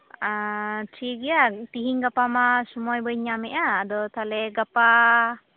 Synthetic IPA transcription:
at͡ʃʰiɡijat̪iɦiŋɡapamasɔmɔjbəjɲamɛʔaːd̪ɔt̪alɛɡapa

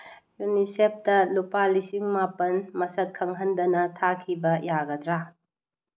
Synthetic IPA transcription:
junisep̚tɐlupalisiŋmapɐnmɐsɐt̚kʰːɐŋɦɐndɐnɐtʰakʰibɐjaɡɐdɾa

